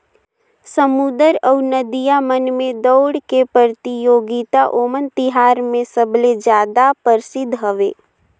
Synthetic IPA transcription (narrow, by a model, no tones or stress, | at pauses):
səmud̪əɾəʊnəd̪ijamənmẽd̪ɔʊɽkepəɾt̪ijoːɡit̪aʔoːmənt̪ɪɦaːɾmẽsəbled͡ʒjaːd̪apəɾɪsɪd̪ʱːɦəʋḛː